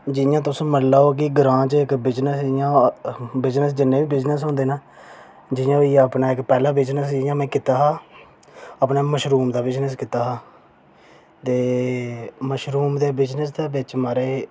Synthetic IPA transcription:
d͡ʒɪjãːt̪ʊsːməlaːoːkiːɡɾãːt͡ʃɪkbɪd͡ʒnəsɪjãːbɪd͡ʒnəsd͡ʒɪnːẽːbiːbɪd͡ʒnəs̬ɦõnd̪eːnaː | d͡ʒɪjãːiːəpnaːɪkpɛːlaːbɪd͡ʒnəsd͡ʒɪjãːmɛ̃ːkɪt̪aːɦaː | əpnaːməʃɾuːmd̪aːbɪd͡ʒnəskɪt̪aːɦaː | t̪eː | məʃɾuːmd̪eːbɪd͡ʒnəsd̪eːbɪt͡ʃmaːɾeː

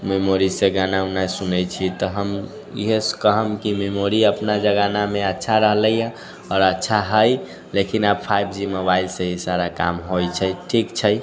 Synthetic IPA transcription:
memoɾisẽɡanaunasunɛt͡ʃʰit̪ɔɦəm | ḭɦeskəɦəmkimemoɾiəpnad͡ʒəɡanameətːʃʰaɾəɦləjjə̃ | ɔːɾətːʃʰaɦəj | lekinabpʰajbd͡ʒimobailsəɦisaɾaka̰mɦojt͡ʃʰəjʈʰikt͡ʃʰəj

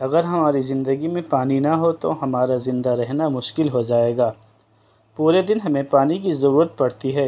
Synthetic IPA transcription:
ɐɣəɾɦɐmaːɾizɪ̃nd̪əɡimẽpaːninɐɦot̪o̰ɦɐmaːɾazɪ̃nd̪aɾɛɦnamʊʃkɪlɦod͡ʒaːeːɡaː | puːɾed̪ɪnɦɐmẽpaːnikizɐɾuːɾət̪̚pɐɽt̪iɦɛː

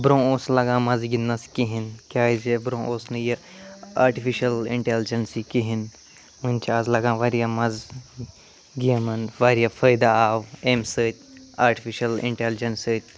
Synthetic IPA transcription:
bɾõːoːslɐɡãːmɐzɡinːɐskiɦinkʲaːzebɾõːʔoːsnɨjɐ | aːɾʈifiʃɐlḭɳʈeːld͡ʒɐnsikiɦin | munʲt͡ʃʰiaːzlɐɡãːʋaɾijamɐz | ɡiɐmɐnʋaːɾijafʰəjd̪aaːwemsəːt̪̚ʲ | aːɾʈifiʃɐlḭɳʈeld͡ʒɐnsəːt̪̚ʲ

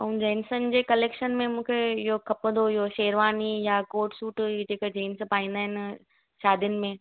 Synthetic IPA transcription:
ũd͡ʑɛːnsənɪ̆d͡ʑeːkɐleːkʃənmẽmũːkʰeɪɦokʰɐpə̃nd̪oɪɦoʃeːɾʋaːnijakoːɾʈsuːʈːd͡ʑeːkəd͡ʑiːnspaːĩːn̆d̪aːɦɪnɪ̆ | ʃaːd̪ʱjənɪ̆mẽ

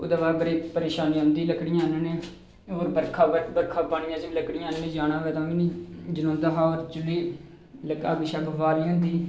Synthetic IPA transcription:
ʊ̰d̪aːbaːɾbəɾɽiːpəɾeːʃaːniãːɦʊ̃nd̪iːləkɽɪjãːɪnãːneː | oːɾbəɾkʰaːbəɾkʰaːbaːɽɪjãːt͡ʃəiləkɽɪjãːɪnãːneːd͡ʒaːñãːʋɛːt̪ãːʋiːnĩːd͡ʒənõːnd̪aːɦaːoːɾt͡ʃʊlːiː | ləka̰ɡɪʃaːbəbaːliːɦʊ̃nd̪iː

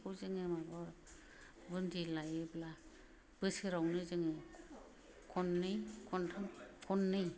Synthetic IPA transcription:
kʰɔzɯŋemabɔɾ | bɯndilajɯbla | b̥ɯsɯɾawnɯzɯŋɯ | kʰɔnːɯjkʰɔntʰamkʰɔnːɯj

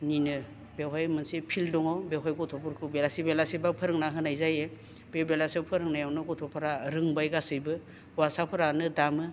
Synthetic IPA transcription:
ninɯ | bewɦajmɯnsipʰildɔŋawbeɦajɡɔtʰɔpɔɾkʰɯwbelasibelasibapʰɯɾɯŋnaɦɯnajzaje | bebelasawpʰɯɾɯŋnajawnɯɡɔtʰɔpʰaɾaɾɯŋbajɡasɯjbɯ | wasapʰɯɾanɯdamɯ

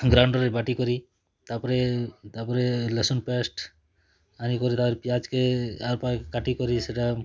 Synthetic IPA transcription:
ɡɾawɳɖɔɾebaʈikɔɾi | t̪apɾet̪apɔɾelesonpesʈ | anikɔɾit̪apɾipijad͡ʒkeaɾpakaʈikɔɾiseʈa

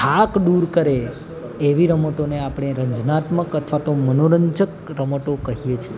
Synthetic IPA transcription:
ʈʰakɖuɾkəɾe | eʋiɾəmoʈoneapɽ̃eɾəɲd͡ʒnat̪məkət̪ʰʋat̪omənoɾəɲd͡ʒəkɾəmoʈokəɦijet͡ʃʰie

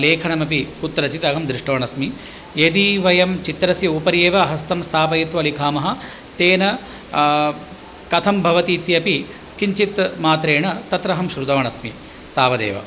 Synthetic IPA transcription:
leːkʰɐɳɐmɐpikut̪ːɾɐt͡ʃit̪ɐɡɐmd̪ɾiʂʈɐʋɐɳɐsmi | ed̪iʋɐjɐmt͡ʃit̪ɾɐsjɐupɐɾijeːʋɐːɦɐst̪ʰɐmst̪ʰaːpɐjɐt̪ʋɐlikʰaːmɐɦɐ̆ | t̪eːnɐ | kɐt̪ʰɐmbʱɐʋɐt̪iːt̪jɐpi | kiɲt͡ʃit̪maːt̪ɾeːɳɐt̪ɐt̪ɾɐɦɐmʃɾud̪ɐʋɐɳɐsmi | t̪aːʋɐd̪ḛːʋɐ̰

